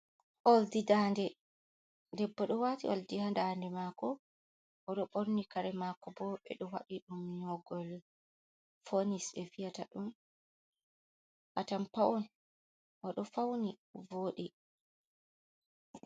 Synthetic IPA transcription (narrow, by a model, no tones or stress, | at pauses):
ʔoldidaːndɛ | dɛbːɔɗɔwatiʔoldihandandɛmakɔ | ʔɔɗɔɓoɾnikaɾɛmakɔbɔɓɛ̰ɗɔwa̰ɗiɗumɲɔɡɔl | fonisɓɛfijataɗum | ʔatampaʔɔn | ʔɔɗɔfawnivoːɗi